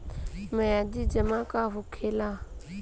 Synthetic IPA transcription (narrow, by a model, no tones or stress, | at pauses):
məjad͡ʒiːd͡ʒəmãkaɦʊkʰelaː